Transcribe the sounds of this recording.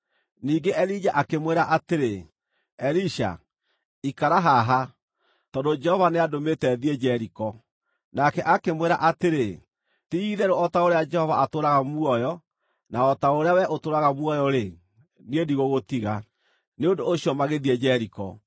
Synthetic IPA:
niːŋɡeʔɛɾid͡ʑaʔakemweɾaʔateɾe | ɛɾiʃa̰ | ikaɾaɦaɦa | tɔdod͡ʒɛhɔvaneadometɛðiɛd͡ʑɛɾikɔ | nakɛʔakemweɾa̰ʔateɾe | tiiðɛɾoɔtaoɾead͡ʒɛhɔvaatoːɾaɣamuɔjɔ | naɔtaoɾeawɛʔotoːɾaɣamwɔjɔɾe | niediɣoɣotiɣa | neondoːɕiɔmaɣeðiɛd͡ʑɛɾikɔ̰

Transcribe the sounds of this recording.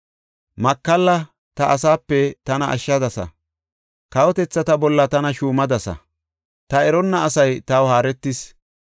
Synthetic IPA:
mɐkːɐlːɐ | t̪ɐʔːsaːpːɛt̪ɐnɐʔɐ̰ʃːɐd̪ɐsɐ̰ | kɐwɔt̪ɛt͡sːɐt̪ɐbɔlːɐt̪ɐnɐʃuːmɐd̪ɐsɐ̰ | t̪ɐɛɾɔnːɐːsɐjt̪ɐwhaːɾɛt̪ːɪs

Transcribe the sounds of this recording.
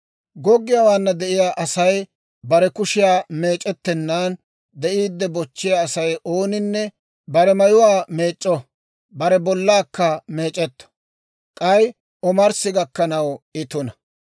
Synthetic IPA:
ɡɔɡːɪjawaːnːɐd̪ɛʔɪjaːʔɐsɐj | bɐɾɛkʊʃɪjaːme̞ːt͡ʃʼːɛt̪ːɛnːaːn | d̪ɛʔiːd̪ːɛbɔt͡ʃːɪjaːsɐjʔo̞ːnɪnːɛ | bɐɾɛmɐjʊwaːme̞ːt͡ʃʼːɔ | bɐɾɛbɔlːaːkːɐme̞ːt͡ʃʼɛt̪ːɔ̥ | kʼɐj | ʔɔmɐɾsɪɡɐkːɐnɐwɪt̪ʊnɐ

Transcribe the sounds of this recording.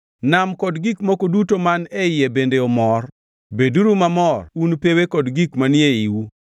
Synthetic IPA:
namkɔdɡikmokodutomanɛɪjebendeɔmɔr | beduɾumamɔrunpewekɔdɡikmanɪeiwu

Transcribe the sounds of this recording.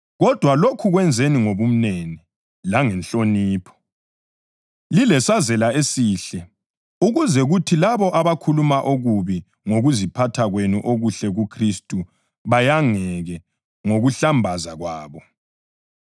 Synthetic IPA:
ɣɔd̥ʱwalokʰuɣwɛnd͡zʱeniŋoβum̩neni | laŋɛnɬoniːpʰɔ̥ | lilɛsazɛlaesiːɬɛ | uɣuzɛɣutʰilaβɔʔaβakʰulumaʔoɣuβi | ŋoɣuzipʰatʰaɣwenuʔoɣuɬɛɣukʰristʼu | βajaŋɛɣɛ | ŋoɣuɬambʱazaɣwaːβɔ

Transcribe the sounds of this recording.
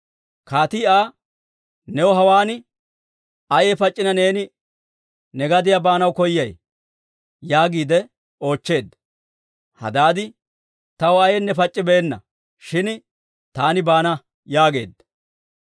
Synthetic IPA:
kaːt̪iːaː | nɛwɔɦɐwaːnɪ | ɐjɛpɐt͡ʃʼːɪnɐne̞ːnɪ | nɛɡɐd̪ɪjabaːnɐwkɔjːɐj | jaːɡiːd̪ɛ | o̞ːt͡ʃːe̞ːd̪ | hɐ̰d̪aːd̪ɪ | t̪ɐwɔɐjɛnːɛfɐt͡ʃʼːɪbɛɛnːɐ̰ | ʃɪn | t̪aːnɪbaːnɐ | jaːɡe̞ːd̪

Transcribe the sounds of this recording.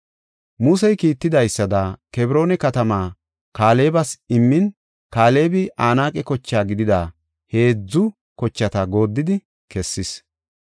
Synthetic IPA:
mʊsɛjkiːt̪ːɪd̪ɐjsːɐd̪ɐkɛbɪɾo̞ːnɛkɐt̪ɐmaː | kaːle̞ːbɐsɪmːɪn | kaːle̞ːbɪʔaːnaːkʼɛkɔt͡ʃːaːɡɪd̪ɪd̪a | he̞ːd͡zːʊ | kɔt͡ʃːɐt̪ɐɡo̞ːd̪ːɪd̪ɪ | kɛsːɪs

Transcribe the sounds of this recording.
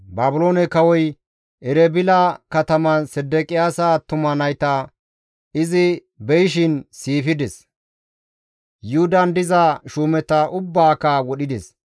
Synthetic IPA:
baːbʊlo̞ːnɛkɐwɔj | ɛɾɛbɪlɐkɐt̪ɐmɐnsɛd̪ːɛkʼɪjaːsat̪ʊmɐnɐjt̪ɐ | ɪzɪ | bɛjɪʃ̬ɪnsiːfɪd̪ɛs | jʊhʊd̪ɐnd̪ɪzɐʃuːmɛt̪ɐʔʊbːaːkɐwɔɗɪd̪ɛs

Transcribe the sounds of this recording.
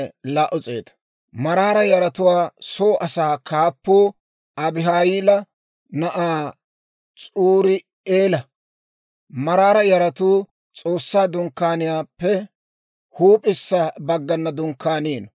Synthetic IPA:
laːʔɔt͡sʼeːt̪ɐ̥ | mɐɾaːɾɐjɐɾɐt̪ʊwaːsoːʔɐsaːkʰaːpːoː | ɐbɪɦaːjiːlɐ | nɐʔaː | t͡sʼuːɾɪ | eːlɐ | mɐɾaːɾɐjɐɾɐt̪uː | t͡sʼo̞ːsːaːd̪ʊŋkːaːnɪjaːpːɛ | huːpʼɪsːɐbɐɡːɐnːɐd̪ʊŋkːaːniːn

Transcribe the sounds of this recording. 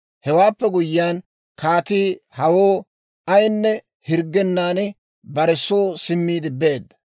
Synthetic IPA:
hɛwaːpːɛɡʊjːɪjaːn | kaːt̪iːhɐwoː | ɐjnːɛ | hɪɾɡːɛnːaːnɪ | bɐɾɛsoːsɪmːiːd̪ɪbe̞ːd̪ːɐ

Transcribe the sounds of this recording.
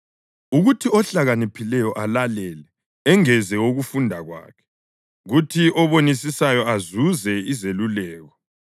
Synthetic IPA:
uɣutʰiɔɬaɣanipʰilɛjɔʔalalɛlɛ | ɛŋɛzɛoɣufundʱaɣwa̰ːkʰɛ̥ | ɣutʰiʔɔβonisisajɔazuzɛizelulɛːɣɔ

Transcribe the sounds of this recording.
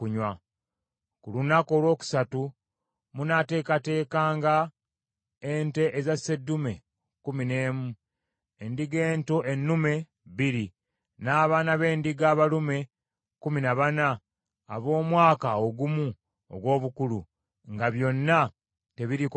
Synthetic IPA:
uɲwa | kulunako̞ːlwo̞ːku̥satu | munate̞ːkate̞ːkaːŋɡa | eːnte̞ʔezasːe̞dːume̞ | kumine̞ːmu | endiɡe̞ːntoʔenːume̞ | βiɾi | naːβaːnaβe̞ːndiɡaːβalume̞ | kuminaβana̰ː | βo̞ːmwaːkaoɡumu | o̰ɡwo̞ːβukulu | ŋɡaβjo̞nːa | te̞βiɾik

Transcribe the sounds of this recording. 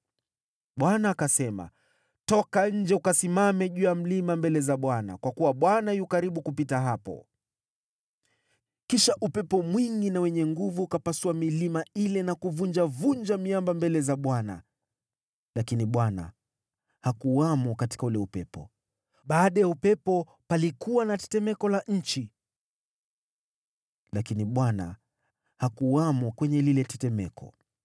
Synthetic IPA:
ɓwanaːkasɛma̰ | tɔkaɲ̩d͡ʒɛukasimamɛʄujam̩limambɛlɛzaɓwana̰kwakuwaɓwanajukaɾiɓukupitaɦapɔ̰ | kiʃaʔupɛpɔmwiŋɡinawɛɲɛŋɡuvuːkapasuamilimailɛnakuvund͡ʒavund͡ʒamiambambɛlɛzaɓwana̰ | lakiniɓwana̰ | hakuwamɔkati̥kaulɛupɛpɔ̰ | ɓaːɗajaupɛpɔ | palikuwanatɛ̥tɛmɛkɔlaɲ̩t͡ʃi | lakiniɓwana̰ | hakuwamɔkwɛɲɛlilɛtɛtɛmɛkʰɔ̰

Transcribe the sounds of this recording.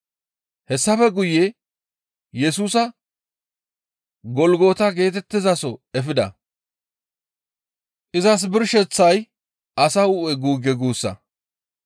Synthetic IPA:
hɛsːɐfɛɡʊjɛ | jɛsuːsɐ | ɡɔlɡo̞ːt̪ɐɡe̞ːt̪̬ɛt̪ːɪzɐsɔɛfɪd̪ɐ̰ | ʔɪzɐs̬bɪɾʃɛt͡sːɐj | ʔɐsɐʊʔɛɡuːɡɛɡuːsːɐ̰

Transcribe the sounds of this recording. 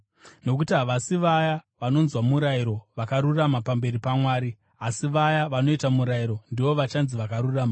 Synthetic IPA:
no̞k̬utiɦaʋasiʋajaʋano̞nzwamuɾaiɾo̞ʋakaɾuramapambe̞ɾipamwaːɾi | asiʋajaʋano̞itamuɾaiɾo̞ndiʋo̞ʋat͡ʃanziʋakaɾuraːma

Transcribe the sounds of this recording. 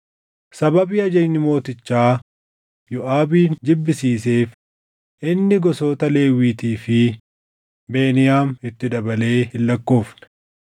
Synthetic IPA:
sɐbɐbiːɐd͡ʒɛɲːɪmo̞ːt̪ɪt͡ʃːaː | jɔʔaːbiːnd͡ʒ̪ɪbːɪsiːse̞ːf | ʔɪnːɪɡɔso̞ːt̪ɐle̞ːwiːt̪iːfɪ | be̞ːnɪjaːmɪt̪ːɪd̪ɐbɐle̞ːhɪlːɐkːo̞ːfnɐ̥

